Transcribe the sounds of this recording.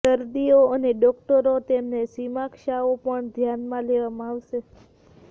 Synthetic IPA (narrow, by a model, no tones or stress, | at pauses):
əɾd̪ioəneɖɔk̚ʈəɾot̪emnesimãkʃaopəɳd̪ʱjanmãleʋamãaʋʃe